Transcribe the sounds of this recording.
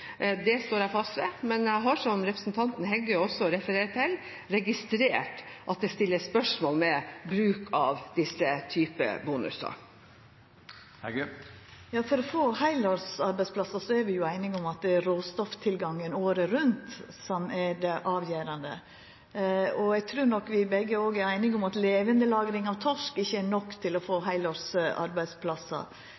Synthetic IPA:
d̪ɛst̪oːɾæɪfɑst̪ʋɛmɛnæɪɦɑʂɔmɾɛpɾəsnt̪ʰɑnt̪n̩ɦɛɡːəjɔsːɔɾɛfəɾeːɾt̪ʰɪl | ɾɛɡɪst̪ɾeːʈʔɑt̪̚d̪ɛst̪ɪlːəspœʂmoːlmɛbɾʉːkʰɑʋd̪̥ɪsːət̪ʰyːpə̰buːnʉ̰sɑ̰ | jɑːfɔɾɔfoːhæɪlɔɾsɑɾbæɪspʰlɑsɑsɔæɾʋɪjʊæɪnɪŋʊmɑt̪̚d̪ɛɾoːst̪ɔft̪ʰɪlɡɑŋːənoːɾəɾʉnt̪sɔmædɛʔɑːʋjæːɾɑnd̪ə | ɔɛɡt̪ʰɾʉːɾɳɔkːʋɪbɛɡːəoːɡæɾæɪnɪŋʊmɑt̪leːʋənd̪əlɑːɡɾɪŋɑʋt̪ʰɔʂkɪçːəænɔkːt̪ʰɪlɔfoːɦæɪlɑɾsʔɑ̰ɾbæɪspʰlɑsɑ̰

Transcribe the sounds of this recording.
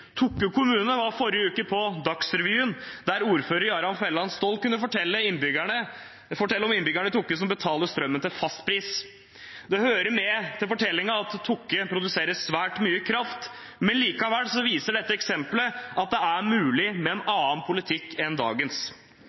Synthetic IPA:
t̪ʰʊkːʉkʰʊmʉːnəʋɑɾfɔɾjəʉːkəpʰɔd̪ɑksɾɛʋjyːʉnd̪æɾuːɾføːɾəɾɑɾɑnfɛlːɑnst̪oːlkʉnːəfɔʈʰɛlːəɪnbʏɡæɳə | fɔʈʰɛlːəɾɔmɪnːbʏɡæɳət̪ʰʊkːəsɔmbət̪ʰɑːləst̪ɾœmːənt̪ɪlfɑst̪pʰɾiːs | d̪ɛhøːɾəmɛt̪ʰɪlfɔʈʰɛlːɪŋɑɑt̪ʰːʊkːəpʰɾʊd̪ʉseːɾəsʋæːʈmyːəkʰɾɑft̪ | mɛnliːkɑʋæɽsɔʋiːsəɖɛt̪ːəɛksɛmpləʔɑt̪̚d̪ɛæmʉːlɪmɛːnɑːɑnpʰʊlɪt̪ʰɪkːɛnd̪ɑ̰ːɡəns

